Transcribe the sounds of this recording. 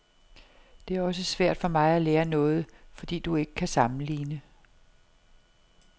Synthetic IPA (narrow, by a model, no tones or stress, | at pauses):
d̥e̝æɐɒ̽s̬əsʋæɐ̰d̥fɒ̽mɑ̈ɪæleːɐnɔ̽ːð̞̩ˠfɒ̽d̥ḭːd̥ue̝ɡ̥ə̥kʰæsɑ̈mn̩lḭːnə